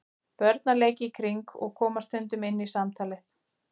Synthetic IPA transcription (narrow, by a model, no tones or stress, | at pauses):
pœɾt̪naleːjcɪkʰɾiŋkɔ̰ɣkʰɔːmast̪ʏnt̪ʏmɪnːɪisamt̪ʰaːlɪθ